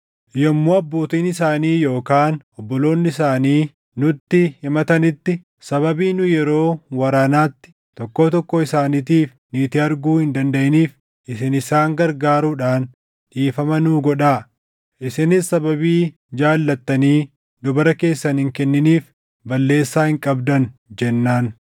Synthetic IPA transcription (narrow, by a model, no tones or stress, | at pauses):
jɔmːoːɐbːoːt̪iːnɪsaːniːjo̞ːkaːnɔbːɔlo̞ːnːɪɪsaːniː | nʊt̪ːɪhɪmɐt̪ɐnɪt̪ːɪ | sɐβɐbiːnʊjɛɾo̞ːwɐɾaːnaːt̪ːɪ̥ | t̪ɔkːoːt̪ɔkːɔɪsaːnɪt̪iːf | niːt̪ɪɐɾɡuːhɪnd̪ɐnd̪ɐʔɪniːf | ʔɪsɪnɪsaːŋɡɐɾɡaːɾuːᶑaːn | ᶑiːfɐmɐnuːɡɔᶑaː | ʔɪsɪnɪsːɐbɐbiː | d͡ʒaːlːɐt̪ːɐniː | d̪ʊbɐɾɐke̞ːsːɐnhɪŋkɛnːɪniːf | bɐlːe̞ːsːaːhɪŋkʼɐbd̪ɐnd͡ʒɛnːaːn